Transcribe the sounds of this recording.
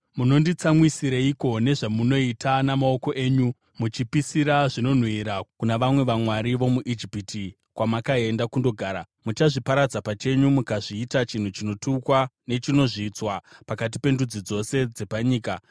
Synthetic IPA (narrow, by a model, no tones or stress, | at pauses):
muno̞ndit͡samwisiɾaiko̞ne̞ʐamuno̞itanamao̞ko̞ʔe̞ːɲu | mut͡ʃipisiɾaʐino̞n̤wiɾakunaʋamwe̞ʋamwaɾiʋo̞muʔid͡ʒipitʰi | kwamakae̞ndakundo̞ɡʱaːɾa | mut͡ʃaʐipaɾad͡zapat͡ʃe̞ɲumukaʐiːtat͡ʃin̤ut͡ʃino̞tukwane̞t͡ʃino̞ʐiːt͡swapakat̬ipe̞ndud͡zid͡zo̞se̞d͡ze̞paɲiːka